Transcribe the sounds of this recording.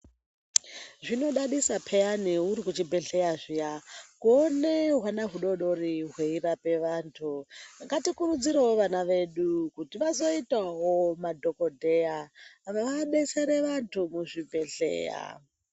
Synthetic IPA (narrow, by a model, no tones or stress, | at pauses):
ʐino̞ɗaɗisapʰeaniuɾikut͡ʃibʱe̞ɬe̞jaʐijakuoneɦwanaɦuɗo̞ɗo̞riɦweirape̞ʋaːntʰuŋɡatikuɾud͡ziɾawoʋanaʋe̞ɗukutiʋazo̞itaɦomadʱo̞ko̞dʱe̞jaʋaʋaɓe̞se̞ɾe̞ʋantʰumuʐibʱe̞ɬḛːja̰